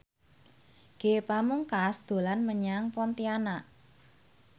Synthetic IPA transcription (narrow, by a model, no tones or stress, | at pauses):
ɡ̥epamuŋkasd̪̥o̤lanməɲaŋpɔnt̪ianaʔ